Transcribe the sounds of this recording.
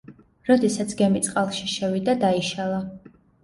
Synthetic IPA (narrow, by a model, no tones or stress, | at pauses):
ɾɔd̪ɛsat̪sʰɡɛmit̪sʼqʼalˠʃiʃɛvid̪ad̪aiʃalˠa